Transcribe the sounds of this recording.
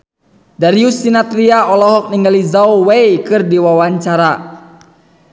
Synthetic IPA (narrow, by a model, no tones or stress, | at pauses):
daɾiusinat̪ɾiaɔlɔɦɔk̚niŋɡalizauwejkɨrdiwawaɲt͡ʃaɾa